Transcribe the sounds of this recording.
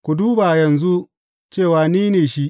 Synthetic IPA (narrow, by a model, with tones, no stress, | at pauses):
kʷu˨duː˦ba˨jɐ˨nzu˦ | t͡ʃeː˦˨waː˨niː˦neː˨ʃi˦ʔ